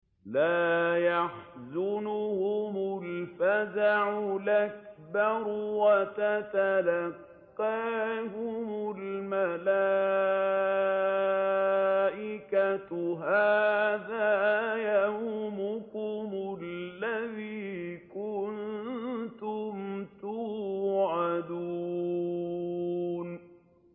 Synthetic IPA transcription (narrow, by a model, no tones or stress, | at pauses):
laːjaħzʊnʊhʊmʊlfazaʕʊlak̚bɑɾwat̪at̪alaqː | ɑːɦʊmʊlmala | ʔɪkat̪ɦaːðajahʊmʊkʊmʊlːaðiːkʊn | t̪ʊmt̪ʊʕad̪uː | n